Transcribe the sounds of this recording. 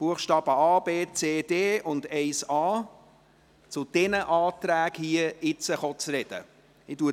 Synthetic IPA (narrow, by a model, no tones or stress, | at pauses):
b̥uəχʃtɑːb̥əɑːbeːt͡seːd̥eːʔʊndɛɪsɑː | t͡sʊd̥ɛnəʔɑːt̪ɾæːɡhiəɪt͡səχɔt͡srɛd̥ə̰ | ɪtuə